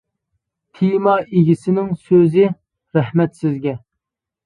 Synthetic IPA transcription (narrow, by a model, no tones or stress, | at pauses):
t̪ʰimɑeɡʲisɪnɪŋsøzɪ | ɾɛhmɛt̪sɪzɡʲɛ